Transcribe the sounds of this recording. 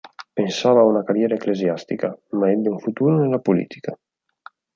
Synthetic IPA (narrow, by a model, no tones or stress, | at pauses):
pensaβaunakaɾjeɾaekleziast̪ikamaed̪uɱfut̪uɾenlapulḭt̪ʰi̥ka